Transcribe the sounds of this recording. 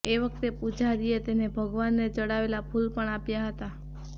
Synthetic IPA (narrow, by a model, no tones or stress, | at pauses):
eʋəkt̪epud͡ʒaɾiet̪enebʱəɡʋanːet͡ʃəɽaʋelapʰulpəɳapjaɦət̪a